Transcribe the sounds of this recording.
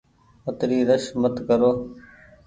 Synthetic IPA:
ət̪ɾiːɾəʃmət̪kəɾoː

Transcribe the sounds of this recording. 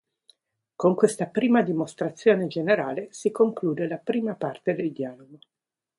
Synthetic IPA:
koŋkwest̪apɾiːmad̪imost̪ɾat̪sːjoːned͡ʒeneɾaːlesikoŋkluːd̪elapɾiːmapart̪ed̪eld̪jaːloɡo

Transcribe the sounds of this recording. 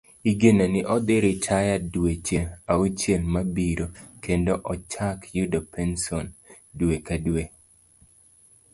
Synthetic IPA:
iɡenanɪʔɔd̪ɪɾɪtʰajadwet͡ʃeaut͡ʃelmabiɾokendoʔɔt͡ʃakjudopʰɛnsɔn | dwekadwe

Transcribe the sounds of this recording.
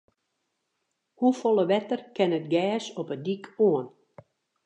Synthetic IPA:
hufolˠəʋɛtərkɛnətɡɛːsɔpədikʰoən

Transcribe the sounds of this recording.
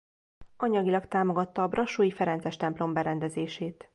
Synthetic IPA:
ɒɲɒɡilɒkt̪aːmo̞ɡɒt̪ːɒːbrɒʃuːjifɛɾɛnt̪sɛʃt̪ɛmplo̞mbɛɾɛnd̪ɛzeːʃeːt̪

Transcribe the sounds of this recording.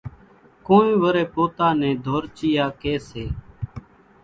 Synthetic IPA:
kõːnĩːʋəɾeːpoːt̪aːnɛ̃ːd̪ʱoːɾt͡ʃiːjaːkeːseː

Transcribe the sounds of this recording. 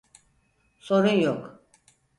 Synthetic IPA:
soɾujok

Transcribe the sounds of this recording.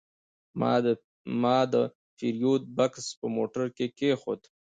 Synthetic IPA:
mɑ̰ | mɑd̪ə | fiɾjot̪̚bakspəmoʈaɾkekexo̰d̪

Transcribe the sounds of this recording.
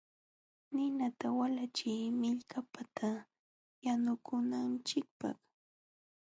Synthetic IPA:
nɪnat̪awalat͡ʃɪjmɪʎkʰapat̪ʰa | janʊkʊnant͡ʃɪk̚pɑ̰χ

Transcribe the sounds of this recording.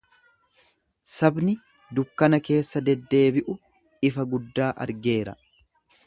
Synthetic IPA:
sɐbnɪ | d̪ʊkːɐnɐke̞ːsːɐd̪ɛd̪ːe̞ːbɪʔʊ | ɪfɐɡʊd̪ːaːʔɐ̰ɾɡe̞ːɾɐ̰

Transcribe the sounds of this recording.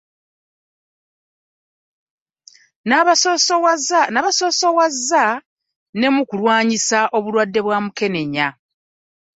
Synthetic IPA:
naβaso̞ːsowazːa | ne̞mukulwaːɲisaʔo̞βulwadːe̞βwaːmuke̞ne̞ɲa

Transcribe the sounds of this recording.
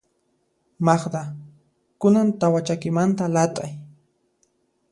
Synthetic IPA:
mɑχd̪a | kʊnant̪awat͡ʃakɪmant̪alat̪ʼaj

